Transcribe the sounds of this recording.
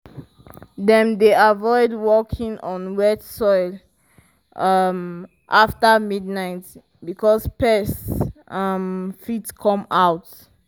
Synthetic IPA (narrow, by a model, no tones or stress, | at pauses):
dɛ̃mdeavɔɪdwɔkʰĩŋɔ̃nwɛtsɔɪl | ʌm | ʔaftamidnaɪt | bikʰɔspɛsʌmfitkʰɔ̃maʊt